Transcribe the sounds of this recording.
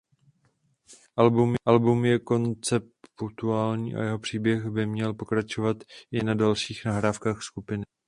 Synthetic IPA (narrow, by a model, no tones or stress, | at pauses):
ʔalbumʔalbumjɛko̞nt͡sɛpt̪uaːlɲḭːʔa̰jɛɦo̞pr̝̥iːbjɛxbɪmɲɛlpo̞kɾat͡ʃo̞vat̪ɪnadalʃiːxnaɦɾaːfkaːxskupɪnɪ